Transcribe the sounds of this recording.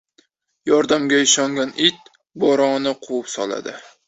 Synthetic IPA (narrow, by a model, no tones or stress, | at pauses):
jɒɾd̪amɡʲaɪʃɒŋɡʲanʔɪt̪̚ | bɒɾɒnɪqʰuwʊpsɒ̰lˠa̰d̪ɪ